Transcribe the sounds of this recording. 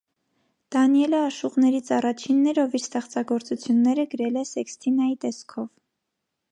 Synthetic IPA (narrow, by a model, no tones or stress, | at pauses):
d̪̥ɑnijɛləɑʃuʁnɛɾit͡sʰɑrɑt͡ʃʰinːɛɾɔviɾst̪ɛχt͡sɑɡɔɾt͡sut͡sʰjunːɛɾəɡəɾɛlɛsɛkst̪ʰinɑjit̪ɛskʰɔv